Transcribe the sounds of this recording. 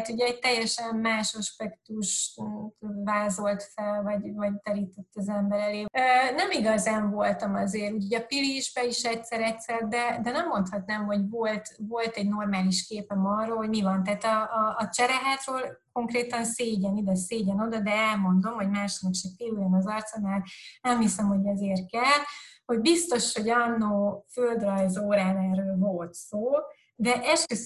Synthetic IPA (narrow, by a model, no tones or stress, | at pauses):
t̪uɟɛːɟ̚t̪ɛjːɛʃɛmmaːʃɒʃpɛkt̪uʃt̪vaːzo̞lt̪fɛlvɒɟvɒɟt̪ɛɾiːt̪ɛt̪ːɒzɛmbɛɾɛleːønɛmiɡɒzaːɱvo̞lt̪ɒmɒzeːɾuːchoɟɒpiliʒbɛiʃɛcsɛɾɛcsɛrd̪ɛd̪ɛnɛmːo̞nt̪hɒt̪nɛːmɦo̞ɟvo̞lt̪vo̞lt̪ɛɟno̞rmaːliʃkeːpɛmɒroːlhoɟmivɒnt̪ɛːt̪ɒːt͡ʃɛɾɛɦaːt̪røːlko̞ŋkreːt̪ɒnseːɟɛnid̪ɛseːɟɛno̞d̪ɒd̪ɛɛlmo̞nd̪o̞mho̞ɟmaːʃnɛkt͡ʃɛkp̪ilujɛmɒzɒrt̪sɒnaːlnɛmhisɛmho̞ɟɛzeːrkɛlho̞ɟbist̪o̞ʃho̞ɟɒnːoːføld̪rɒjzoːɾaːnɛrøːlvo̞lt̪soː | d̪ɛʔɛʃkøs